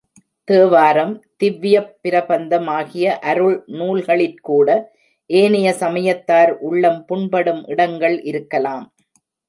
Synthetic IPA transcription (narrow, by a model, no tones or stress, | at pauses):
t̪eːʋaːɾɐmt̪ɪʋːɪjɐpːɪɾɐbɐnd̪ɐmaːɣɪjɐʔɐɾɯɭnuːlɣɐɭɪnkuːɽɐ | ʔeːnɪjɐsɐmɐjɐt̪ːaːɾʔʊɭːɐmpʊɳbɐɽɯmʔɪɽɐŋɡɐɭʔɪɾɯkːɐlaːm